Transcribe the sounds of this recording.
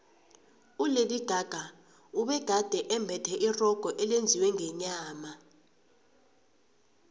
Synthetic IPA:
uleliɡ̥ʱaɡ̥ʱa | uɓɛɡ̥ʱad̥ʱɛʔɛmbʱɛtʰɛʔirɔɡ̥ʱɔʔɛlend͡zʱiwɛŋɛɲaːma

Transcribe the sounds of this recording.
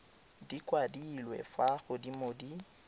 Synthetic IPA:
dikʼwadilwɛ̰faɣʊdimodi

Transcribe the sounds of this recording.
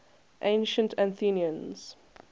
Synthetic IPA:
ʔḛ̃ɪ̃nʃə̃ntʰæ̃nθiniə̃nz̥

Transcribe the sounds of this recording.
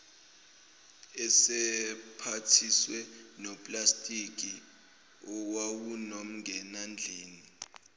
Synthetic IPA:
ɛsɛpʰatʰiswɛnɔpʼlastʼik̬ʼi | ɔwawunom̩ŋɡʱɛnand͡ɮʱiːni

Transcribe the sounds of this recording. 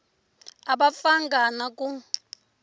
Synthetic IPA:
aɓafaŋɡʱanakʼu

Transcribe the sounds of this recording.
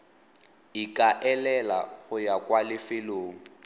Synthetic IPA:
ikʼaʔɛlɛla̰ɣʊjakʼwalɪfɪloːŋ̩

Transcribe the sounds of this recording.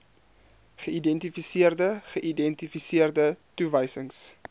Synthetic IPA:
χəidɛntifisiərdəχəʔidɛntifisiərdətuvəjsəŋs

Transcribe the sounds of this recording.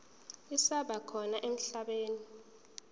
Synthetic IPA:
isaɓakʰɔnaʔem̩ɬaɓeːni

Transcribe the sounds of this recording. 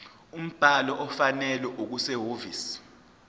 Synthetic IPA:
um̩b̥ʱalɔʔɔfanɛlɛʔok̬usɛɦoːvḭːs

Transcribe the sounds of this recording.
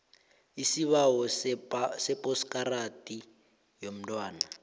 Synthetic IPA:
isiβaɦɔ | sɛpʼɔskʼaratʼi | jom̩dwaːna

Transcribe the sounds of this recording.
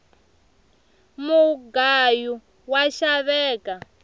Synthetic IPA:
muɡaju | waʃaβɛːka

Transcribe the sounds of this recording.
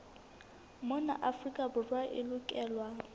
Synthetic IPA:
mɔna̰ʔafrikʼabʊrwaʔɪlʊkʼɛːlwa

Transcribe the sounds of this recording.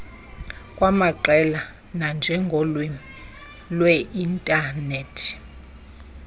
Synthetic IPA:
kʼwamaǃɛla | nand͡ʒʱɛŋɡʱɔlwɛ | lwɛintʼaneːtʰi̥

